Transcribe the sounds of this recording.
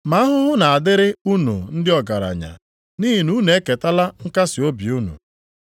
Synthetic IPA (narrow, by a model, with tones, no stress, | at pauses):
ma˨˦a˦ɦʊ˦ɦʊ˦na˨a˨dɪ˦ɾɪ˦u˦nṵ˨n̩˦dɪ˦ɔ˨ɡa˨ɾa̰˨ɲa̰˨ | ni˦ɦi˨nu˦ne˨˦ke˨ta˦la˦ŋ̩˦ka˦sɪ˨o˦bi˨u˦nṵ˨